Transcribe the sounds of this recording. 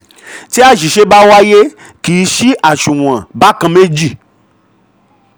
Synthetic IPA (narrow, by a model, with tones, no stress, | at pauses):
ti˦a˦ʃi˨ʃe˦ba˦wa˦je˦ | ki˨˦ʃi˦ʔa˨ʃũ˨w̃ã˨ba˦kã˧mẽ˦d͡ʒi˦˨